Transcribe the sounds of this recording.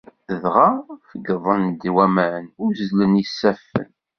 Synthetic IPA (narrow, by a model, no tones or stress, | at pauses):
θəðʁafəɡðˤənd̪wæmæʕnʊɾzlənisːæfːə̰n